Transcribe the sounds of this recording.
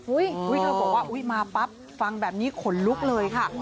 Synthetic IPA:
ʔu˦˥jʔu˦˥jkʰɤː˧bɔː˨˩k̚waː˥˩ʔu˦˥jmaː˧pa˦˥p̚ | fa˧ŋbɛː˨˩p̚niː˦˥kʰo˩˦nlu˦˥k̚lɤː˧jkʰa˥˩

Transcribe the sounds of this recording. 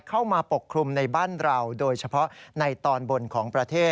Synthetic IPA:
kʰa˥˩wmaː˧po˨˩kʰɾu˧mna˧jbaː˥˩nɾa˧wdoː˧jt͡ɕʰa˧pʰɔ˦˥na˧jt̪ɔː˧nbo˧nkʰɔː˩˦ŋpɾa˧t̪ʰeː˥˩

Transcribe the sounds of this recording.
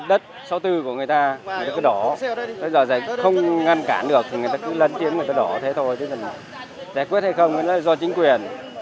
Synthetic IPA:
ɗə˦˥t̚sa˨˧˦wt̪ɨ˧ku˧˩əŋɨ˨˩əjt̪aː˧ŋŋɨ˨˩jt̪aː˧˩kɨ˨˦ɗɔ˧˩ɓə˧jzəː˨˩zaː˧˩jxə˧wŋ͡mŋa˧nka̰ː˧˩nɗɨ˨˩ək̚t̪ʰi˨˩ŋɨ˨˩jt̪aː˧kɨ˨˦lə˧˩nt̪i˨˦əmɨ˨˩ət̪aː˧ɗɔ˧˩t̪ʰe˨˦t̪ʰo˧jt̪ʰi˨˦mə˨˩ | zaː˧˩jkwət̚ha˧jxə˧wŋ͡mkla˨˦lzɔ˧t͡ɕï˨˦ŋ̟kwi˨˩ən

